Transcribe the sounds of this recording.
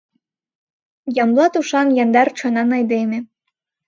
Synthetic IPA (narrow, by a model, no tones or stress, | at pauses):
jɑmlˠɑt̪uʃɑnjɑnd̪ɑrt͡ɕonɑnɑjd̪eme